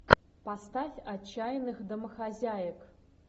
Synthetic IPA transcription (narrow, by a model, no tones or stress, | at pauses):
past̪afʲat͡ɕːajnɨxd̪əməxazʲajək